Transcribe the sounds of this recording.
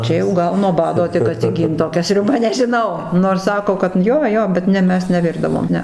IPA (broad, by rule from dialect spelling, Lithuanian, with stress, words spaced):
ˈt͡ʃʲɛ jɛʊ ˈɡɐlˠ nuɔ ˈbɑːdoː tʲɪk ɐtʲsʲɪˈɡʲiːnt toːˈkʲɛ sʲrʲʊˈbɐ nʲɛʒʲɪˈnɐʊ noːrs ˈsɑːkoː kɐt ˈjoː ˈjoː bʲɛt ˈnʲɛ ˈmʲɛs nʲɛˈʋʲɪrdɐʋoːm ˈnʲɛ